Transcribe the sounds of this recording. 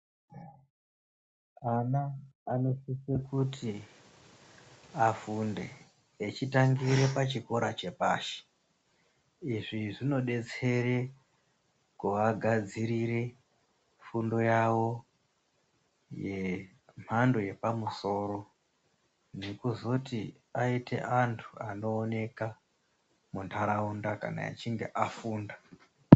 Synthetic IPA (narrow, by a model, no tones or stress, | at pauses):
anaːno̞sisekutʰi | afundeː | t͡ʃitaŋɡiɾe̞pat͡ʃiko̞ɾat͡ʃe̞paːʃi̥ | iʐiʐino̞ɗe̞t͡se̞re̞ | kuʋaɡʱad͡ziɾiɾe̞ | fundo̞jawo̞ | je̞ | m̤ando̞je̞pamuso̞ːɾo̞ | nekuzoti | aite̞̰ʔantʰua̰no̞ːne̞ka | muntʰaɾaundaka̰na̰ḛt͡ʃiŋɡe̞̰ʔafuːnda